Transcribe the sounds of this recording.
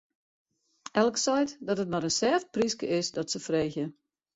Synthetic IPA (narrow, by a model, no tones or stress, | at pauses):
ɛlˠksɔjtdɔtət̚maɾənsɛːft̚priskəʔɪsdɔtsəfreːxjə